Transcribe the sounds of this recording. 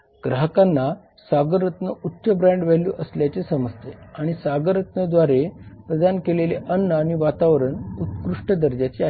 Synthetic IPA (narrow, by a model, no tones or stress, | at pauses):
ɡ̥ɾaɦəkanːa | saɡəɾət̪nəut̪ɕəbɾãɳɖʋɛɦlṵʔəsljat͡ɕesəməd͡zt̪ʰeaɽ̃isaɡəɾət̪nəd̪ʋaɾepɾəd̪ankeleleʔənːəaɽ̃iʋat̪aʋɾənut̪kɾuʂʈəd̪əɾd͡ʑat͡ɕia